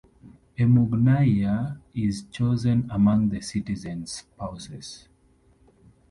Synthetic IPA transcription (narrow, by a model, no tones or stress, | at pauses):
emuɡnajaizt͡ʃozə̃nəmʌ̃ŋðəsitizɛ̃nspʰaʊsɛz̥